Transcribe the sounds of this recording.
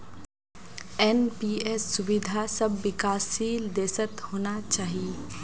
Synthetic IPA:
ɛnpiːesːʊʋɪd̪ʱasɐbːɪkaːsiːld̪eːsət̪hoːnat͡ʃaːɦie

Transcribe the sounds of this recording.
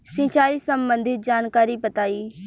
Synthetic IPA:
sĩːt͡ʃaːiːsə̃mbə̃nd̪ʱɪt̪̚d͡ʒaːnkaːɾiːpət̪aːiː

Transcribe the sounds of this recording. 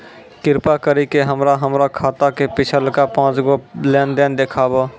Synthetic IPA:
kɪɾpakəɾikeɦəmɾaɦəmɾakʰaːt̪akepɪt͡ʃʰəlkapãːt͡ʃɡoleːnd̪eːnd̪eːkʰaːbo

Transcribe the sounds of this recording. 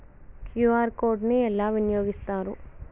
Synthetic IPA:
kjuːaːɾkoːɖniɛlːaːʋinjoːɡist̪aːɾṵ

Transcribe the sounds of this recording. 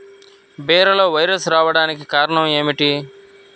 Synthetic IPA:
beːɾɐloːʋɐjɾɐsɾaːʋɐɽaːnikikaːɾɐɳɐmeːmiʈi

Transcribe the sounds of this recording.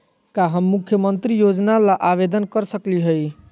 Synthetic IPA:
kaɦəmːukʰjəmənt̪ɾijod͡ʒnalaʔaβed̪ənkəɾsəkliɦəj

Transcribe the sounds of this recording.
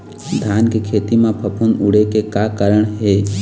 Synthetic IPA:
d̪ʱjaːnkekʰeːt̪imãpʰəpʰunʊɽekekakəɾəɳɦeː

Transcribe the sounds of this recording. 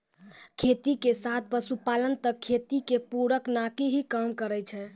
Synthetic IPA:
kʰet̪ikesat̪̚ʰpəsupalənt̪əkʰːet̪ikepuɾəknakiɦikamkəɾɛt͡ʃʰɛ

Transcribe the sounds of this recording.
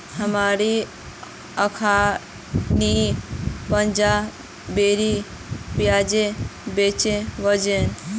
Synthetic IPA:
həmaɾi | əkʰa | ni | pənd͡ʒa | beɾi | pjad͡ʒebet͡ʃeʋəd͡ʒen

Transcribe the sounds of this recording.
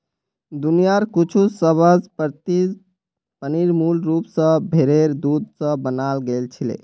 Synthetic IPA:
d̪unijaɾkut͡ʃʰusəbʱəd͡ʒpɾt̪i | pəniɾmulɾupsə̃bʱeɾeɾd̪ud̪̚ʱsə̃bənalɡelt͡ʃʰilḛ

